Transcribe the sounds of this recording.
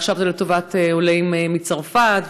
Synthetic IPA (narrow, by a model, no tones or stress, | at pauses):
χʃavt̪iletovateolejmemit͡saʁfat